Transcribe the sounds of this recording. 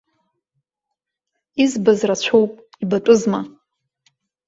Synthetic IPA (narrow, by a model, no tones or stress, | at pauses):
izbazrat͡ɕʷʰowpʼ | ibatʷʼʊzma